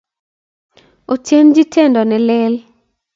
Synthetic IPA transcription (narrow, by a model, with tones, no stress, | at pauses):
o˨tje˦nd͡ʒi˦tʰe˦˨ndɔ˨nɛ˨lɛ˦l